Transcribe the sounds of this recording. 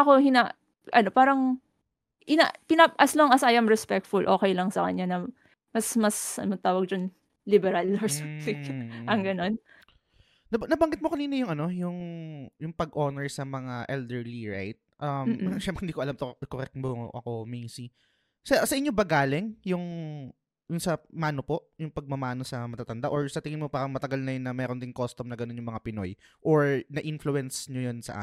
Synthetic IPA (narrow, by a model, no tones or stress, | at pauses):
ʔɐkohɪna | ʔɐ̰no̞paːɾɐŋ | ʔɪnakɪnaʔɐsloŋɐsɐjʔɐmɹɛspɛk̚t̪fʊlʔo̞ːkɛjlɐŋsɐkɐ̰ɲːanɐ | mɐsmɐsʔɐ̰not̪aːwɐɡ̚d͡ʒɐn | libɛɾɐlːoɹssɪɡʔɐŋɡɐno̞n | nɐnɐbɐŋɡɪt̪̚mokɐniːnɐjʊŋɐno̞jʊŋjʊŋpɐɡʔoːnɛɹsɐmɐŋaʔɛld̪ɛɹliɹa̰jt̪̚ʔɐmʃɛmpɾɛhɪnd̪iːkoʔɐlamt̪okoɾɛk̚t̪moʔɐ̰ko̞mejsi | sɐsɐʔɪɲːobɐɡaːlɪŋjʊŋ | d̪ʊnsɐmaːno̞po̞ʔjʊŋpɐɡ̚mɐmaːnosɐmɐt̪aːt̪ɐnd̪aʔoɹsɐt̪ɪŋɪnmopaːɾɐŋmɐt̪ɐɡalnɐjonːɐmɛːɾond̪ɪnkost̪omnɐɡɐno̞njʊŋmɐŋapɪno̞̰j | ʔoɹnɐʔinflʊɛnsɲojonsɐ̰ʔa̰